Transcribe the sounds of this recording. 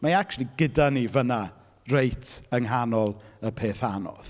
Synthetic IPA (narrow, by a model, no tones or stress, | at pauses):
maakt͡ʃlˠiɡɪdanivəna | rejtʰəŋɦanɔlˠəpʰeːθanɔ̰ð̥